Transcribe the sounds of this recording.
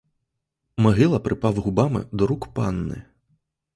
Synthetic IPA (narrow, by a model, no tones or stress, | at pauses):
mɐɣɨlˠɐpɾɨpawɣubamɨ̰d̪ɔɾukpa̰nːɨ̰